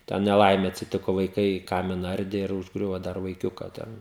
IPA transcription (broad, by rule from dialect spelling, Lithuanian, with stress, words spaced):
tʲɛn nʲɛˈlˠɐɪmʲeː ɐtʲsʲɪˈtʲɪkoː ʋɐɪˈkɐɪ ˈkɑːmʲɪnɐ ˈɐrʲdʲeː ɪr ʊʒˈɡrʲʊʋoː ˈdɐr ʋɐɪˈkʲʊkɐ ˈtʲɛn